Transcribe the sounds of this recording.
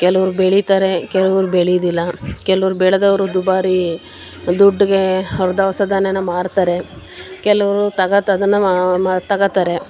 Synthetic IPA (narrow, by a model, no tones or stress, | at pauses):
kɛlɐʋɐɾubeɭit̪aːɾe̞kɛlɐʋɐɾubeɭijd̪ilːɐkɛlɐʋɐɾubɛːɭɐd̪ɐʋɐɾud̪ubaːɾi | d̪uɖːiɡeɔɾɐd̪ɐʋɐsɐd̪ʱanɐnːɐmaːɽt̪aːɾe̞ | kɛlɐʋɐɾut̪ɐɡɐt̪ːɐd̪ɐnːɐt̪ɐɡɐt̪aːɾe̞